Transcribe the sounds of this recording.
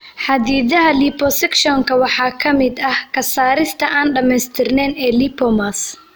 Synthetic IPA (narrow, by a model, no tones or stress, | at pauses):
ħɑd̪iːðɐɦɐliːpʰɔsɛkʃɔŋkʰɐwɑħɑːkʰɐmɪd̪ɐhkʰɐsaːɾɪst̪ʰɐʔaːnɖɐmɛjst̪ʰɪrnɛːnɛːliːpʰɔmas